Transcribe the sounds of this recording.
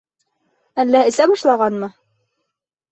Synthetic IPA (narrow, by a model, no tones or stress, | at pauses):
ælːæɘ̆sæbɑʃlˠɑʁɑnmɤ